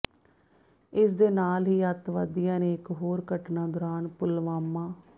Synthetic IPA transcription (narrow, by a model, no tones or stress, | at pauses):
ɪsd̪eːnaːlɦiːət̪ʋad̪ijãːnẽːɪkɦoːɾkəʈnãːd̪ɔːɾaːnpʊlʋaːmːãː